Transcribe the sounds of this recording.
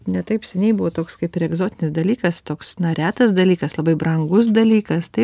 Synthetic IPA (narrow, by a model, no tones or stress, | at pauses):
nʲɛt̪ɐɪpsʲɛnʲɛɪbʊʋoːt̪oːkskɐɪpɪɾɛɡzoːt̪ʲɪnʲɪsd̪ɐlʲiːkɐst̪oːksnɐɾʲæːt̪ɐsd̪ɐlʲiːkɐslˠɐbɐɪbɾɐŋɡʊs̬d̪ɐlʲiːkɐst̪ɐɪ